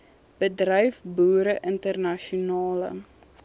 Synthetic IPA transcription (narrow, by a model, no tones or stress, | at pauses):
b̥ədrœjfbuːɾəʔəntərnɐʃiunɑːlə̰